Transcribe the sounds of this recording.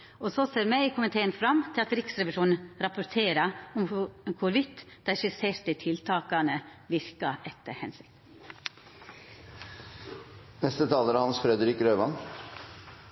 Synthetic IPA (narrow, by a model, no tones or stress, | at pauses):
ɔsoseːɾmɛiːkʰʊmənt̪ʰeːənfɾɑmt̪ʰɪlɑt̪ɾɪksɾɛʋɪʂuːnn̩ɾɑpʊɾt̪ʰeːɾɑɔmkʰʊɾʋɪt̪ː | d̪̥æɪʃɪseːɾt̪ət̪ʰɪlt̪ʰɑːkɑnəʋɪɾkɑʔɛt̪ːə̰hɛnsɪk̪ | nɛst̪ət̪ʰɑːləɾɑhɑnsfɾɛd̪əɾɪkɾøːʋɑn